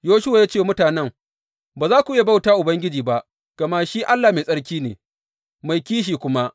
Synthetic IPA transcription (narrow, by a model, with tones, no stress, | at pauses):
joː˦ʃʊ˦wa˨jaː˦t͡ʃeː˦˨mʊ˦taː˨nɛ˦ŋ | baː˨zaː˦kʷʊ˨ʔja˨ba˦˨wtaː˦ʔʊ˨bɐ˦ŋɡʲɪ˦d͡ʒiː˨ba˦ʔ | ɡ̥ɐ˨mɐ˦ʃiː˦ʔa˦lːaː˨ma˨sʼɐ˦ɽkʲiː˦nḛː˨ | ma˨jkʲiː˦ʃ̬iː˨kʷʊ˦ma˦ʔ